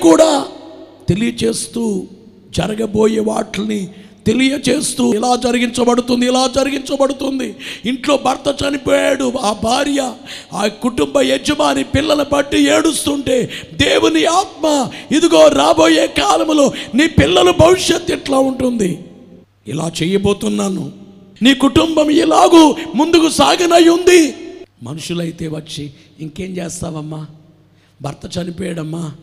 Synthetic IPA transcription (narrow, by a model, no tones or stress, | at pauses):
kuːɽaːt̪e̞lijɐt͡ʃe̞ːst̪uː | d͡ʒɐɾɐɡɐbo̞ːjeːʋaːʈlɐnit̪e̞lijɐt͡ʃe̞ːst̪uːɛlaːd͡ʒɐɾɐɡiɲt͡ʃɐbɐɽut̪und̪iilaːd͡ʒɐɾɐɡiɲt͡ʃɐbɐɽut̪und̪iiɳʈlo̞ːbʱɐɾt̪ɐt͡ʃɐnipoːjaːɽuaːbʱaːɾjɐ | aːkuʈumbɐed͡ʒɐmaːnipilːɐlɐbɐʈːieːɽust̪uɳʈe̞ːd̪e̞ːwuniaːt̪̚maːid̪uɡo̞ːɾaːbo̞ːjeːkaːlɐmuloːniːpilːɐlubʱɐʋiʂjet̪ːɛʈlaːuɳʈund̪i | ḭla̰ːt͡ʃɛːjɐbo̞ːt̪unːaːnṵ | niːkuʈumbɐmilaːɡuːmund̪ukusaːɡɐnɐjːund̪imɐ̰nuʂulɐjit̪e̞ːʋɐt͡ʃːiː | ŋke̞ːmd͡ʒeːst̪aːʋɐmːaː | bʱɐɾt̪ɐt͡ʃɐnipɔːjɐɽɐmːaː